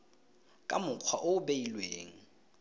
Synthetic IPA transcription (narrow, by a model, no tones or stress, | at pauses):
kʼa̰mʊq͡χʰwaʔoʊbeilweːŋ̩